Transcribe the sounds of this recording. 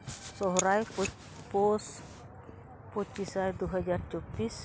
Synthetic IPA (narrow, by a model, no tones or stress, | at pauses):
sɔɦɾajp | pos | pot͡ʃpisajd̪uɦad͡ʒart͡ʃɔbis